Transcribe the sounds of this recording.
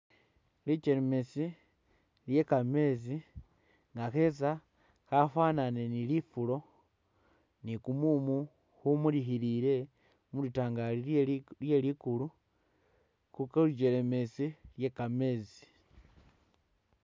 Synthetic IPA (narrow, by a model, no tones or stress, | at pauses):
lit͡ʃe̞ɾeme̞si | lje̞kame̞zi | ŋɡaxe̞za | xafaːnane̞nilifulo̞ | nikumumu | xumulixiliɾe̞ | mulitaːŋɡalilje̞likulu | kukolid͡ʒeleme̞silje̞kame̞zi̥